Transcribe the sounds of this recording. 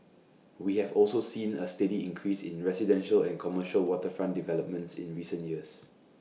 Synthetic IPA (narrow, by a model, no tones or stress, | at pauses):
wihɛvɔlsosĩnəstədiĩŋkʰɹisɪ̰̃nɹɛsidɛ̃nʃəlɛ̃nkʰɔməʃəlwɔtəfɹãndivɛləp̚mə̃ntsɪ̰̃nɹisə̃njiəs